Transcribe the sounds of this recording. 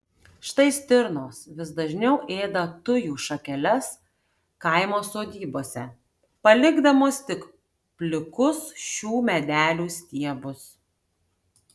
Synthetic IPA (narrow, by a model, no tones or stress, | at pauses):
ʃt̪ɐɪsʲt̪ʲɪɾnoːsʋʲɪsd̪ɐʒʲnʲɛʊʔeːd̪ɐt̪ʊjuːʃɐkʲɛlʲɛs | kɐɪmoːsoːd̪ʲiːboːsʲɛ | pɐlʲɪɡd̪ɐmoːst̪ʲɪk | pʲlʲɪkʊsʃʲuːmʲɛd̪ʲæːlʲuːsʲt̪ʲiɛbʊs